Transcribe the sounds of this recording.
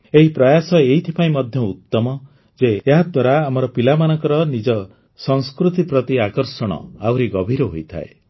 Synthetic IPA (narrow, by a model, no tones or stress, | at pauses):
eɦipɾɔjasɔeɦit̪ʰi̥paĩmɔd̪ʱjɔut̪ːɔmɔ | d͡ʒeːɦad̪waɾaːmɔɾɔpilamanɔŋkɔɾɔnid͡ʒɔ | sɔŋskɾut̪ipɾɔt̪iakɔɾsɔɽ̃ɔ̰awɾiɡɔbʱiɾɔɦojt̪ʰa̰e